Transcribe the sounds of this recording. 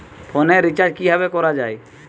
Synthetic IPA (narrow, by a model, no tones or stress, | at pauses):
pʰɔnɛɾit͡ʃad͡ʒkiɦabɛkɔɾad͡ʒaj